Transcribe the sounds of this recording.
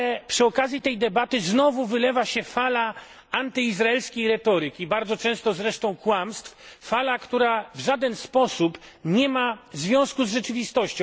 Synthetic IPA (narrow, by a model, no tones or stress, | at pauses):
pʂɘɔkazʲjit̪ɛjd̪ɛbat̪ɘznɔvuvɘlɛvaɕɛfala | ant̪ɘizɾaɛlskʲejɾɛt̪ɔɾɘkʲibaɾd̪zɔt͡ʂɛ̃st̪ɔzɾɛʂt̪ɔ̃w̃kwamst̪ffalakt̪uɾavʐad̪ɛnspɔsupɲɛmazvʲjɔ̃w̃skuzʐɛt͡ʂɘvʲist̪ɔɕt͡ɕɔ̃